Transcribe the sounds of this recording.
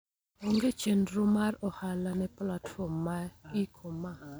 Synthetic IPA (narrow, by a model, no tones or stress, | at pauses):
oŋɡet͡ʃenɾʊmarɔhalanɛplatfɔmːaikʰoma